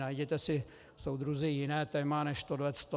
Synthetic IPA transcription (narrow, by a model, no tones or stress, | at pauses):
najɟɛt̪ɛsɪ | sowd̪ɾuzɪjɪnɛːt̪ɛmanɛʃt̪odvɛt͡st̪o